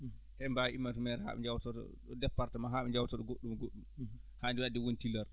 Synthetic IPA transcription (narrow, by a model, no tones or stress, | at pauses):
ʔɛmbawimːatumɛɾɛha̰ɓɛd͡ʒawtɔtɔ̰ɗɔdɛpːaɾtamaɦaɓɛɲd͡ʒawtɔɗɔɡoɗːumɡoɗːumhandunadɛwontilaɾ